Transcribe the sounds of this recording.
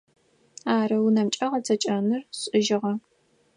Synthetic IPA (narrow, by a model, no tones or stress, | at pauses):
aːɾɐwunɐmt͡ʃʼɐʁɐt͡sʰɐt͡ʃʼɐnɨrɕʼɪʒɪʁɐ